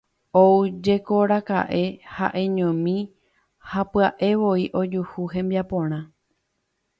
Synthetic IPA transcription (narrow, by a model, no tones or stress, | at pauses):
oud͡ʒe̞ko̞ɾaka̰ʔe̞ha̰ʔẽ̞ɲõmĩ | hapɨaʔe̞ʋo̞iʔo̞d͡ʒuhuɦẽ̞mbiapõ̞ɾ̃ã